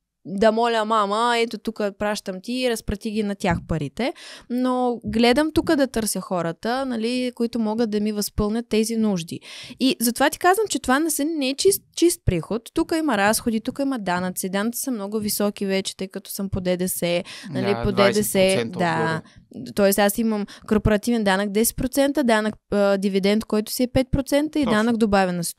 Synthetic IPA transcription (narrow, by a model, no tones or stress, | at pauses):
d̪ɐmɔlʲəmaməɛt̪ot̪ukəpɾaʃt̪əmt̪iːɾɐspɾɐt̪ʲiɡʲinɐt̪ʲjaxpɐɾit̪ɛnoɡlɛd̪əmt̪ukəd̪ɐt̪ɤɾsʲjəxɔɾət̪ənɐlikoit̪omɔɡət̪d̪ɐmivɐspɤlˠnʲɐt̪ːɛzinuʒd̪ḭizɐt̪ovat̪i̥kazvəmt͡ʃɛt̪ovanɐsɛnnɛɛt͡ʃist̪t͡ʃist̪̚pɾixot̪ːukəimɐɾasxod̪it̪ukəimɐd̪anət̪sid̪anəkt̪si̥sɐmnɔɡʊvisɔkivɛt͡ʃɛ̥t̪ɤjkɐt̪ɔ̥səmpod̪ɛd̪ɛsɛnɐlipod̪ɛd̪ɛsɛd̪a | t̪ɔɛst̪asiməmkoɾpoɾɐt̪ivɛnd̪anəkd̪ɛsɛ̥t̪̚pɾot̪sɛnt̪əd̪anəkəd̪ivid̪ɛnt̪kɔjt̪ʊ̥siɛpɛt̪̚pɾot̪sɛnt̪əid̪anəkd̪obavʲɛnɐs